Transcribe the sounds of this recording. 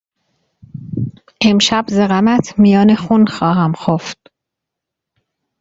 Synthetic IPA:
ʔe̞mʃæbzeɣæmæt̪ʰmijɒːnexunxɒːɦæmxoft̪̚

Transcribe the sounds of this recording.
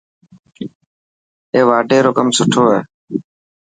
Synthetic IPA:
eːʋaːɖeːɾoːkəmsʊʈʰoːɦeː

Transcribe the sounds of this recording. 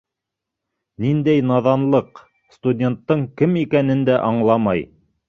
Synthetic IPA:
nind̪æjnɑðɑnlˠɤq | st̪udʲe̞nt̪ːɤɴkɘmikænɘnd̪æʔɑɴlˠɑmɑj

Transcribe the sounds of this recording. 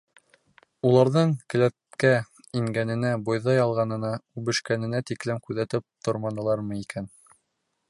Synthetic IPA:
ulˠɑɾðɤɴkɘ̆læt̪̚kæ | iŋɡænɘ̆næbojðɑjɑlˠʁɑnɤ̆nɑʉβɘ̆ʃkænɘ̆næt̪iklɘmkʉðæt̪ɘp̚t̪ʰŏɾmɑnɤ̆lˠɑɾmɤikæn

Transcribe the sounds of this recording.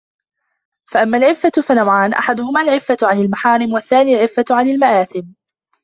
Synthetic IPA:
faʔamːaːlʕɪfːafanawʕaːnʔa̰ħad̪ʊhʊmaːlʕɪfːaʕanalmaħaːɾɪmwaθːaːniːlʕɪfːaʕanalmaʔaːθɪm

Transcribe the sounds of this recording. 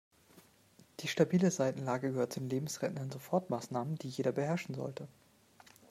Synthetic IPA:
d̥iːʃtabiːləzaɪtn̩laːɡəɡəɦøɐt̚t͡sudeːnleːbm̩sʁɛtnɐnzofɔɐtmaːsnaːmənd̥iːjeːɾɐbəhɛɐʃn̩zɔ̰ltə

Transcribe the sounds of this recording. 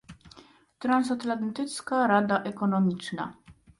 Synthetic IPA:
t̪ɾans̬at̪lant̪ɘt̪skaɾad̪aʔɛkɔnɔmʲit͡ʂna̰

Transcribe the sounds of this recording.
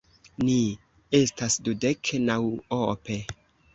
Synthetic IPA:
ni | estasdudeknawope

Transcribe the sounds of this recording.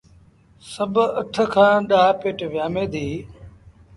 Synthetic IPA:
səbʱəʈʰəkʰãːɗaːpeːʈʋɪjaːmẽːd̪iː

